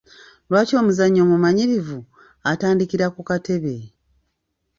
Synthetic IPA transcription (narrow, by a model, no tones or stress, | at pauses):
lwaːco̞ːmuzaɲːo̞ːmumaɲiɾivu | ataːndikiɾakukate̞βe̞